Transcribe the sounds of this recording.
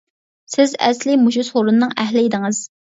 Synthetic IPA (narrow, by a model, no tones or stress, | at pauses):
sɪzɛ̰slɪmuʃusχoɾunnːɨŋæɦlɪid̪ɪŋɨz̥